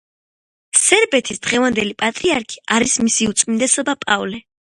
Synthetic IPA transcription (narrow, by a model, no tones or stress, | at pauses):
sɛɾbɛt̪ʰisd̪̥ʁɛvand̪ɛlipʼat̪ʼɾiaɾkʰi̥aɾismisiut̪sʼmind̪ɛsɔbapʼavlɛ